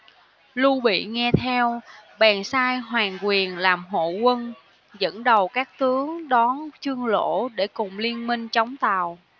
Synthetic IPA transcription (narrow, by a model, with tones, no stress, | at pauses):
lu˧ɓḭ˧˨ŋɛ˧t̪ʰɛ˧wɓaː˨˩nsaː˧jɦwaː˨˩ŋkwi˨˩ənlaː˨˩mɦo̰˧˨kwə˧n | zə̰˧˥nɗə˨˩wkaː˦˥k̚t̪ɨ˨˦əŋɗɔ˨˦nt͡ɕɨ˧əŋlo̰˧˥˨ɗe˧˩kʊ˨˩ŋ͡mli˧ənmï˧ŋ̟t͡ɕə˨˦wŋ͡mt̪a˨˩w